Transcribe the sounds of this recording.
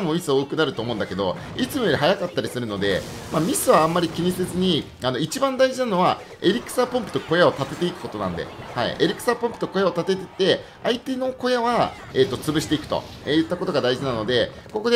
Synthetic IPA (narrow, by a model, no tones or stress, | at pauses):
mo̞mʲisɨoːkɯ̟naɾɯ̟t̪o̞ːmo̞ɯ̃nd̪ake̞d̪o̞̰ | it͡sɨmoeɾiɦajakat̪ːaɾʲisɨɾɯ̟no̞d̪e̞̰ | mamʲisɨβãːmːaɾʲikʲiɲ̟ise̞t͡sɨɲ̟i | ano̞it͡ɕibãnd̪aiʑinano̞βa | e̞ɾʲikɯ̟̥sapompɯ̟t̪o̞kojao̞t̪at̪e̞t̪e̞ikɯ̟̥ko̞t̪onã̰nd̪ḛha̰ḭʔeɾʲikɯ̥sapõ̞mpɯ̟̥t̪o̞ko̞jao̞t̪at̪e̞t̪et̪ːe̞ | ait̪e̞no̞ko̞jaβa | et̪ːo̞t͡sɨbɯ̟ɕi̥t̪e̞ikɯ̟̥t̪o̞̰ | ejɯ̟t̪ːako̞t̪o̞ɡad̪aiʑinano̞d̪e̞ko̞ko̞d̪e